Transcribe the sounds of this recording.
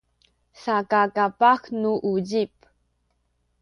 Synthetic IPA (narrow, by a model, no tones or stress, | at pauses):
sakakapaxnuʔuɟip̚